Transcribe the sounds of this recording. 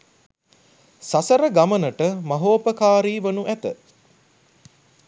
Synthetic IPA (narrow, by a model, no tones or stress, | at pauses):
sasəɾəɡamənəʈəmɐɦoːpəkaːɾiːʋɐnuʔæt̪ə